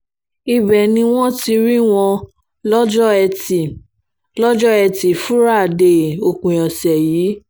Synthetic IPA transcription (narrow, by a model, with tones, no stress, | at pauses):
i˧bɛ˨nĩ˧w̃ɔ̃˦ti˧ɾi˦w̃ɔ̃˧ | lɔ˦d͡ʒɔ˦ɛ˧i˨ | lɔ˦d͡ʒɔ˦ɛ˧ti˨fu˦ɾa˦˨de˨o˨kũ˨jɔ̃˨sɛ˨jiː˨˦